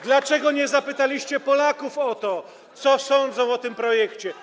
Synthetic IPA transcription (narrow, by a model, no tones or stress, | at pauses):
d̪lat͡ʂɛɡɔɲɛzapɘt̪alʲiɕt͡ɕɛpɔlakufɔt̪ɔ | t̪sɔsɔnd̪zɔ̃w̃ɔt̪ɘmpɾɔjɛkt͡ɕɛ